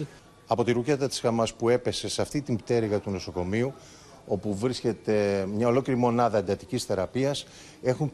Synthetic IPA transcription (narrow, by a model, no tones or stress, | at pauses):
ɐpo̞t̪iɾuce̞t̪ɐt̪i̥sxɐmɐspue̞pe̞se̞seɐft̪it̪imbt̪e̞ɾiɣɐt̪uno̞so̞ko̞miu | o̞puvɾisce̞t̪e̞mɲɐo̞lo̞ceɾimo̞nɐðɐend̪ɐt̪icisθe̞ɾɐpiɐs | e̞xum